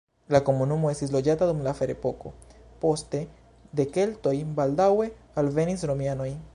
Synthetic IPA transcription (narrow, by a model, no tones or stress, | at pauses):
lako̞munumo̞e̞stis̬lo̞d͡ʒatadumlafe̞ɾḛpo̞ko̞̰po̞ste̞ | d̪e̞ke̞lto̞jbaldawe̞ | alve̞nisɾo̞mjano̞j